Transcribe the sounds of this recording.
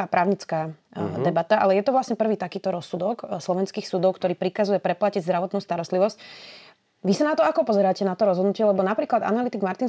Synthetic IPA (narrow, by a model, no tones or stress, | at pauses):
apɾaːʊɲit͡skaːd̪ɛbat̪aʔa̰lɛjɛt̪ɔʋlasɲɛpr̩ʋiːt̪akiːt̪ɔɾɔsːud̪ɔkslɔʋɛnskiːxsud̪ɔʊkt̪ɔɾiːpɾikazujɛpɾɛplaciɟzd̪ɾaʋɔt̪nuːst̪aɾɔst̪liʋɔsc | ʋisanat̪ɔakɔpɔzɛɾaːcɛnat̪ɔɾɔzɦɔd̪nucɪɛlɛbɔnapɾiːklad̪a̰nalit̪iɡmaɾt̪in